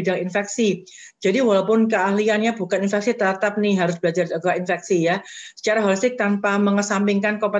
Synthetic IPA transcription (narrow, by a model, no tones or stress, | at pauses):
idaŋinfɛk̚si | d͡ʒadiwalawpʊnkəahlianjabukaninfɛk̚sit̪ət̪ap̚nɪɦaɾʊsbəlad͡ʒaraɡainfɛksijasə̥t͡ʃaɾaɦɔlist̪ɪk̚t̪anpaməŋəsampɪŋkankopa